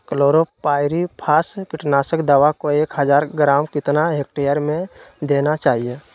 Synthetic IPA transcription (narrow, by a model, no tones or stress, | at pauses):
kloːɾopaːɪɾipʰaːskɪʈnaːsəkd̪aʋakoeːkɦəd͡ʒaːɾɡɾaːmkɪt̪naɦek̚ʈejəɾmẽd̪eːnat͡ʃaːɦijeː